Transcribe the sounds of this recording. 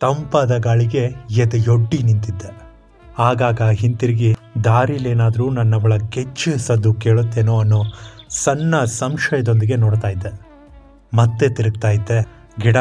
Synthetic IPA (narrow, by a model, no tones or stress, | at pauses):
t̪ɐmpad̪ɐɡaːɭiɡe̞ɛd̪ɐjoɖːinint̪id̪ːe | aːɡaːɡɐɦint̪iɾiɡid̪aːɾileːnaːd̪ɐɾuːnɐnːɐʋɐɭɐket͡ʃːusɐd̪ːuke̞ːɭut̪ːeːnoːɐnːoːsɐnːɐsɐmʃɐjɐd̪o̞nd̪iɡe̞noːɽt̪aːjid̪ːe | mɐt̪ːet̪iɾɐɡ̚t̪aːjid̪ːe | ɡiɽɐ